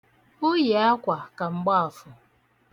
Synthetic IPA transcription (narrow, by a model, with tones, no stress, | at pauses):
ʊ˦je˨a˦kʷa˨ka˨ŋ͡m̩˨ɡ͡ba˦a˨fʊ˨